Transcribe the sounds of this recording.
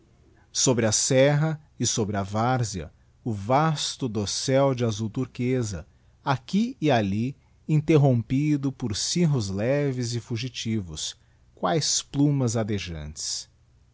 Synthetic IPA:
sobɾɪɐsɛɦɐ | ɪsobɾɪɐvaɾziɐ̰ | ʊvast̪ʊd̪osɛwd͡ʒɪazuwt̪uɾkezɐ̰ | akiɪali | ĩnt̪eɦõpid̪ʊpʊɾsiɦʊzlɛvɪzɪfuʒit͡ʃivʊ̰s | kwajsplũmɐzad̪eʒɐ̰̃nt͡ʃɪ̥s

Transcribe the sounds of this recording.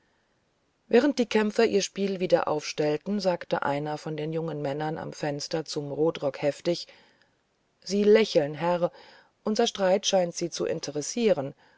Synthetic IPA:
vɛːʁ̞ənt̚d̥iːkʰɛmfɐʔiːɐʃpiːlviːdɐ̰ʔa̰ʊfʃtɛltn̩zaːktə̰ʔa̰ɪnɐfɔndeːnjʊŋənmɛnɐnʔa̰mfɛnstɐt͡sʊmʁoːtʁɔkhɛftɪç | z̥iːlɛçl̩nɦɛʁ | ʔʊnzɐʃtʁaɪtʃaɪntz̥iːt͡suʔɪ̰ntʰəʁɛsiːʁən

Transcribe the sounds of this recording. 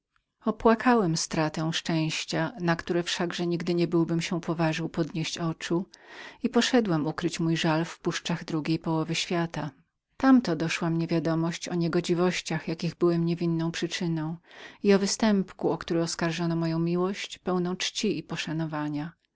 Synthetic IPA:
ɔpwakʰawɛmst̪ɾat̪ɛ̃w̃ʂt͡ʂɛ̃w̃ɕt͡ɕanakt̪uɾɛfʂaɡʐɛɲiɡd̪ɘɲɛbɘwbɘmɕɛpɔvaʐɘwpɔd̪ɲeɕt͡ɕɔt͡ʂuipɔʂɛd̪wɛmukɾɘt͡ɕmujʐalfpuʂt͡ʂaɣd̪ɾuɡʲejpɔwɔvɘɕfʲjat̪a | t̪amt̪ɔd̪ɔʂwamɲevʲjad̪ɔmɔɕt͡ɕɔɲɛɡɔd͡ʑivɔɕt͡ɕaxjakʲiɣbɘwɛmɲevʲinːɔ̃w̃pʂɘt͡ʂɘnɔ̃w̃iɔvɘst̪ɛmpkuɔkt̪uɾɛɔskaɾʐɔnɔmɔjɔ̃w̃mʲiwɔɕt͡ɕpɛwnɔ̃w̃t͡ʂt͡ɕiipɔʂanɔvaɲa

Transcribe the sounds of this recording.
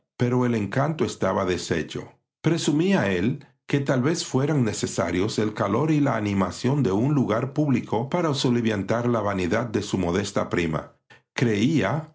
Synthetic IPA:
pe̞ɾo̞ele̞ŋkant̪o̞e̞st̪aβaðe̞se̞̰t͡ʃo̞̰ | pɾe̞sumiae̞l | ke̞t̪alβe̞sfwe̞ɾaŋne̞se̞saɾjo̞se̞lkalo̞ɾilaːnimasjo̞nd̪e̞unluɣaɾpuβliko̞paɾaosoβliβjant̪aɾlaβaniðad̪̚d̪e̞sumo̞ðe̞st̪a̰pɾima̰ | kɾe̞ia

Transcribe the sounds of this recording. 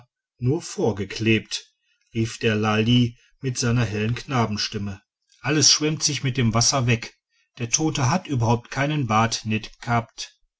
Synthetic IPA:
nuːɐfoːɐɡəkʰleːp̚t | ʁiːfd̥eːɐlali | mɪtz̥aɪnɐɦɛlənkʰnaːbm̩ʃtɪmə | ʔaləsʃv̥ɛmtz̥ɪçmɪt̚d̥eːmvasɐvɛk | d̥eːɐtʰoːtəɦatʔyːbɐɦhaʊp̚tkʰaɪnənbaːtnɪtɡ̥haːp̚t

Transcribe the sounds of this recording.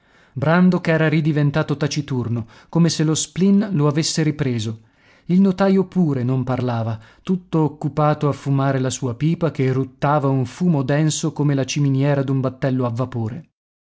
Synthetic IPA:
bɾand̪okɛːɾaɾid̪ivent̪aːt̪ot̪at͡ʃit̪urno | komeselosplinloavesːeɾipɾeːzo | ilnot̪aːjopuːɾenomparlaːvat̪ut̪ːoːkːupaːt̪oafːumaːɾelasuːapiːpakerut̪ːaːvauɱfuːmod̪ɛnsokomelat͡ʃiminjɛːɾad̪umbat̪ːɛlːoavːapoːɾe

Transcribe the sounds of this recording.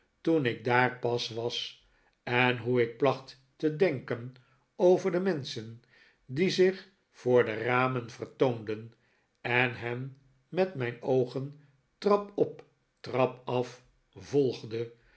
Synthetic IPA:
tunɪɡ̚daːɹpɑsʋɑs | ɛnɦuɪk̚plɑχt | tədɛŋkən | owvəɹdəmɛnsən | dizɪχ | fʊːɹdəraːmənvərtowndən | ɛnɦɛmː | ɛtmɛjnowχən | trɑpɔp | trɑpɑf | vɔlˠχdə

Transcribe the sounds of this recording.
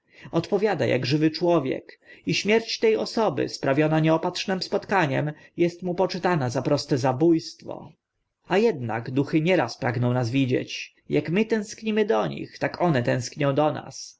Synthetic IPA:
ɔt̪pɔvʲjad̪a̰jʔa̰ɡʐɘvɘt͡ʂwɔvʲjɛ̰kiɕmʲjɛɾt͡ɕt̪ɛjɔsɔbɘ̰spɾavʲjɔnaɲɛɔpat̪ʂnɛmspɔt̪kaɲɛ̰mjɛst̪mupɔt͡ʂɘt̪anazapɾɔst̪ɛzabujst̪fɔ̰ | ajɛd̪na̰ɡd̪uxɘɲɛɾaspɾaɡnɔ̃w̃nazvʲid͡ʑḛt͡ɕ | jakmɘt̪ɛ̃w̃skɲimɘd̪ɔɲḭxt̪akɔnɛt̪ɛ̃w̃skɲɔ̃w̃d̪ɔna̰s

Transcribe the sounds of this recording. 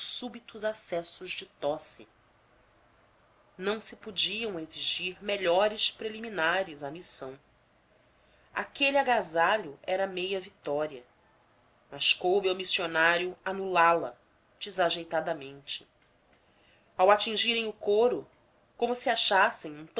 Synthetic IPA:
ʊsubit̪ʊzasɛsʊʒd͡ʒɪt̪ɔsi | nɐ̃w̃sɪpod͡ʒiɐ̃w̃eziʒiɾmeʎɔɾɪʃpɾeliminaɾɪzɐmisɐ̃w̃ | a̰keliaɡazaʎʊɛɾɐmejɐvit̪ɔɾiɐ | mɐʃkowbowmisionaɾjʊanulalɐ̰ | d͡ʒizaʒejt̪ad̪ɐmẽnt͡ʃɪ̥ | awat͡ʃĩŋʒiɾẽj̃ʊkoɾʊ | kõmʊsiaʃasẽj̃ũt̪

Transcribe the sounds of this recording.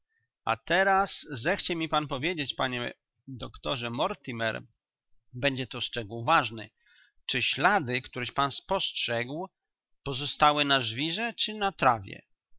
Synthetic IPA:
a̰t̪ɛɾaszɛxt͡ɕɛmʲipanpɔvʲjed͡ʑet͡ɕpaɲɛ | d̪ɔkt̪ɔʐɛmɔɾt̪imɛ̰ɾ | bɛɲd͡ʑɛt̪ɔst͡ʂɛɡuwvaʐnɛ̰ | t͡ʂɘɕlad̪ɘkt̪uɾɛɕpanspɔstʂɛɡw | pɔzɔst̪awɘnaʐvʲiʐɛt͡ʂɘnat̪ɾavʲjɛ̰

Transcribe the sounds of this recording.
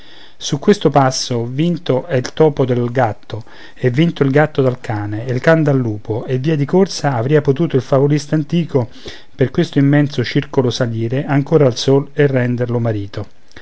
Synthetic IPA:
sukːwest̪opasːovint̪oɛilt̪ɔːpod̪elɡat̪ːo | ɛvːint̪oilɡat̪ːod̪alkʰaːneilkand̪alːuːpoevːiːad̪ikorsaːvɾiːapot̪uːt̪oilfavolist̪ant̪iːko | perkwest̪oimːɛnt̪sot͡ʃirkolosaliːɾeʔaŋkoːɾaːlsoːlerːɛnd̪erlomaɾiːt̪ʰo

